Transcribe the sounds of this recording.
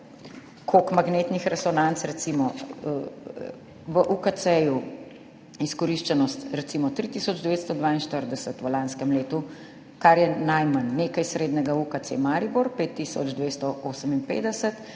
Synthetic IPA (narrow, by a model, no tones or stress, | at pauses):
kʰokmaɡneːt̪nixɾɛsɔnant̪sɾɛt̪simɔ | ʋəʔukat̪sɛju | iskɔɾiʃt͡ʃɛnɔst̪ɾɛt̪simɔt̪ɾit̪isɔd͡ʒd̪ɛʋeːt̪st̪ɔd̪ʋaːinʃt̪əɾd̪ɛsət̪ʋəlanskəmleːt̪u | kaɾjɛnajmanːeːkajsɾeːd̪nɛɡaukat̪sḛmaːɾibuɾpeːt̪ːisɔ̰d͡ʒd̪ʋeːst̪ɔʔoːsəminpḛːd̪ɛsət̪